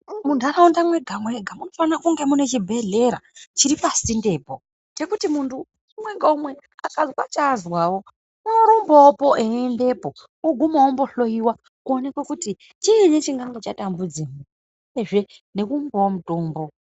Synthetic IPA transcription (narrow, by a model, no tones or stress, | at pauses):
muntʰuaɾaundamweɡʱamweɡʱamuno̞fanakuŋɡe̞mune̞t͡ʃibʱe̞ɮe̞ɾa̰t͡ʃiɾipasinde̞ːpo̞ | te̞kutimuntʰu | umwe̞ŋɡaumwe̞ | akazwat͡ʃazwawo̞ | noɾumboːpo̞ʔeende̞po̞ | uɡʱumawombo̞ɬo̞jiwa | kuone̞kwekuti | t͡ʃiinet͡ʃiŋɡaŋɡet͡ʃatambud͡zimu | ujeʐe̞ne̞kumboomutoːmbo̞